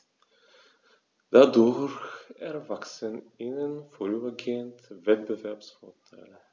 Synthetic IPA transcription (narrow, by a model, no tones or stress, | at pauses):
d̪̥aːdoːɾɛɾvaksənɪnənfɔɾyːbəɡeənt̪vɛt̪̚bəvæɾpsfɔtʰɛ̰ːl